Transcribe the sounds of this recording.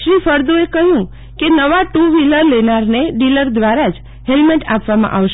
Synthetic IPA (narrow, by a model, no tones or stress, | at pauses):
ʃɾifəɾd̪oekəɦjũ | kenəʋaʈuʋiləɾlenaɾneɖiləɾd̪ʋaɾad͡ʒ | ɦelmeʈapʋamã̰ʔaʋʃe